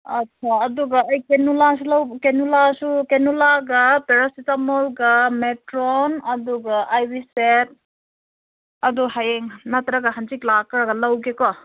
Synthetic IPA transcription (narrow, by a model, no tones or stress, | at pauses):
ɐtːt͡ʃʰaːd̪uɡaːjkenulasulawkenulasukenulaɡapeɾɔsitamɔlɡameʈɾɔnɐd̪uɡaʔajbiset̚ | ɐd̪uɦajeŋnat̪ɾaɡaɦant͡ʃiklakaɾɡalawɡekɔ